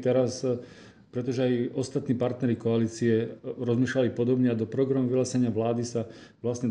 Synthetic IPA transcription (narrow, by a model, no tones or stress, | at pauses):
t̪ɛɾas | pɾɛt̪ɔʒɛajɔst̪at̪niːpaɾt̪nɛɾikɔaliːt͡siɛɾɔzmiːʃlalipɔd̪ɔbɲɛad̪ɔpɾɔɡɾamuʋilasɛɲɪaʋlaːd̪isaʋlasɲɛ